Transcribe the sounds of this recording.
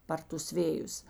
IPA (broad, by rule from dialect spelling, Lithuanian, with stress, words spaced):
ˈpɐr tʊs ˈʋʲeːjʊs